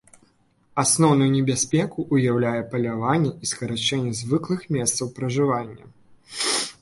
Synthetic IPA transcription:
asnɔwnujunʲɛbʲasʲpʲɛkuʔːjawlʲajɛpɐlʲavanʲːɛiskɐɾat͡ʂɛnʲːɛzvɨklˠɨxmʲɛst̪sɐwpɾɐʐɨvanʲːɐ̰

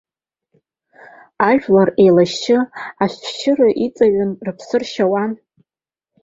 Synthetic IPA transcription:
aʒᶣlare̞jlaʃt͡ʃɪaʃʷʰʃʰɪraʔit͡sʼaɥanrɨpʰsɨrʃawan

